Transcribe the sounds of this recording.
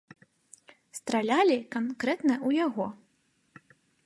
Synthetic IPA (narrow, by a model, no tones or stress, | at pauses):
st̪ɾalʲalʲikankɾɛt̪nɐʔujaɣɔ